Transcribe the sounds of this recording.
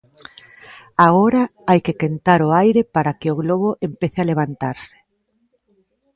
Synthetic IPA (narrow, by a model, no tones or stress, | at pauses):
aɣoɾaajkekent̪aɾʊajɾepaɾakɪʊɣloβ̞oʔempeθealeβ̞ant̪aɾsɪ̥